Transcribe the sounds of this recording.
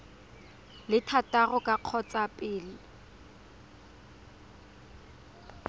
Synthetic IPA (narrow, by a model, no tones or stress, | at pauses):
lɪtʰatʼarɔkʼaq͡χʰɔt͡sʼapʼɪːlɪ